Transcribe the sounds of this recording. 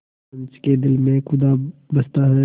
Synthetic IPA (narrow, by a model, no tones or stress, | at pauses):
ə̃nt͡ʃked̪ɪlmẽxʊd̪abɐst̪aɦɛː